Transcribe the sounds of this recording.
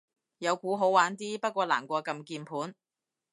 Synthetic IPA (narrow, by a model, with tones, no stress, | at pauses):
jɐ˨˧wkuː˨˥ɦo˨˥wwaː˨˥nt̪iː˥pɐ˥t̚kʷɔː˧la̰ː˨˩mkʷɔː˧kɐ˧mkiː˧npʰuː˨˥n